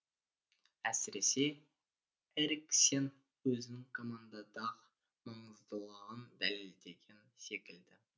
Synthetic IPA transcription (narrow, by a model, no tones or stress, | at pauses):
æsɪɾe̞se̞ | eɾksen | wɵzɪnɪŋkʰo̞mand̪ɑd̪ɑʁ | mɑɴəzd̪əlˠɑʁənd̪æleld̪e̞ɡʲense̞kʲɪld̪ɪ